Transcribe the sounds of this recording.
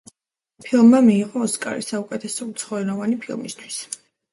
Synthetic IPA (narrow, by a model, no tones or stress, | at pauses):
pʰilˠmːamiːʁɔːskʼa̰ɾisaukʼɛt̪ʰɛsɔut̪sʰχɔɛnɔvanipʰilˠmḭst̪ʰwis